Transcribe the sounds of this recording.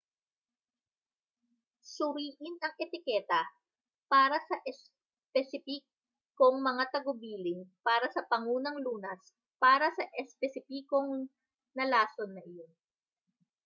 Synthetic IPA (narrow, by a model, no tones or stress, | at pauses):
sʊɾiːʔɪnɐŋʔɛt̪ɪkɛːt̪ɐ | paːɾɐsɐʔɛs | pɛsɪpi | koŋmɐŋat̪ɐɡʊbiːlɪŋpaːɾɐsɐpɐŋuːnɐŋluːnɐs | paːɾɐsɐʔɛspɛsɪpiːko̞ŋ | nɐlaːsonːɐʔɪjon